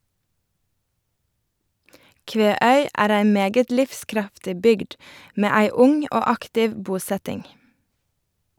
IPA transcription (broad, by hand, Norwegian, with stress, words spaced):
ˈkʋeːˌœʏ ˈæːɾ ˈæɪ ˈmeːɡət ˈlɪfˌskɾɑftɪ ˈbʏɡd ˈmeː ˈæɪ ˈʊŋ ˈoː ˈɑktɪʋ ˈbuːˌsɛtɪŋ